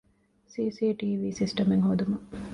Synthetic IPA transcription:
siːsiːʈiːʋiːsisʈɐmeŋhod̪umɐ

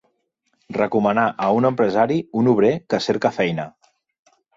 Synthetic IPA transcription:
rəkumənaʔəunəmpɾəzaɾiunuβ̞ɾekəseɾkəfɛjnə

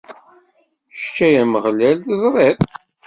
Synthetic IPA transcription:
ʃt͡ʃːæjæməʁlælðəzˤɾˤeɾˤ

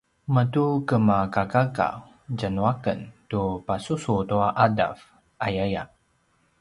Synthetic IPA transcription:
mətukəmakakaka̰ | d͡ʒanwakə̰ntupasusut̪uaʔada̰f | ʔajaja̰

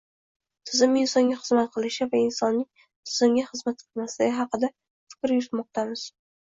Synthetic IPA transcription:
t̪ʰɪzɪmɪnsɒŋɡʲaχɨzmat̪̚qʰɨlˠɪʃɪvaɪnsɒnːɪŋ | t̪ʰɪzɪmɡʲaχɨzmat̪̚qʰɨlˠmaslɪɡʲɪɦɑqɨd̪a | fɪ̥kʲɾjʊɾɪt̪mɒq̚t̪ʰamɪz̥

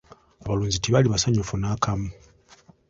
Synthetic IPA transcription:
aβaluːɲzitiβaliβasaɲufunakamu

